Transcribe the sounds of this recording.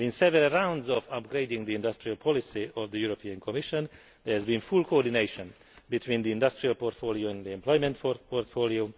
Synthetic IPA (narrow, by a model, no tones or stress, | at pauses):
ĩnsɛvəɾəɹãw̃ndzɔfʌp̚ɡɾeɪdɪ̃ŋd̪iɪ̃ndʌstɹialpʰɔlisiɔvd̪əjuɾopʰiə̃nkʰɔmiʃɔ̃n | d̪ɛhɛzbĩnfulkoɔdineɪʃɔ̃n | bit̪ʰwĩːnd̪iɪ̃ndʌstɹialpoɾt̪foːlioɛ̃nd̪iɛ̃mplɔjmɛ̃ntpoɹtfolio